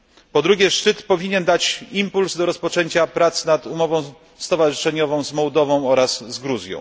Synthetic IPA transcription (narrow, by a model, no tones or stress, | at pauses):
pɔd̪ɾuɡʲjɛʂt͡ʂɘt̪pɔvʲiɲɛnd̪at͡ɕimpulzd̪ɔɾɔspɔt͡ʂɛɲt͡ɕapɾat̪snat̪umɔvɔ̃w̃ | st̪ɔvaʐɨʂɛɲɔvɔ̃w̃zmɔwd̪ɔvɔ̃w̃ɔɾaszɡɾuzʲjɔ̰̃w̃